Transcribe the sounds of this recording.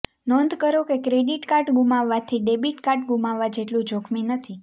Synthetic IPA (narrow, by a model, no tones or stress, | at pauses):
nɔnd̪ʱkəɾokekɾeɖiʈkaɾʈɡumaʋːat̪ʰiɖebiʈkaɾʈɡumaʋːad͡ʒeʈlũd͡ʒokʰminət̪ʰi